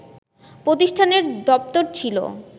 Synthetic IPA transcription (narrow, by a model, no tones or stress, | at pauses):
pɾot̪iʃʈʰaneɾd̪ɔp̚t̪oɾt͡ɕʰilo̰